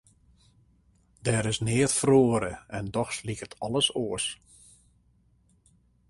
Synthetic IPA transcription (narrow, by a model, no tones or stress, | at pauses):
dɛːɾɪsnɪətfroəɾəɛndɔxslikətʰɔləsoəs